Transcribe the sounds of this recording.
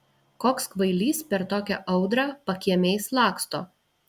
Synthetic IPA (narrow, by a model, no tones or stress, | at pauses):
koːkskʋɐɪlʲiːspʲɛɾt̪oːkʲɛʔɐʊd̪ɾɑpɐkʲiɛmʲeːslˠɑːkst̪o̰ː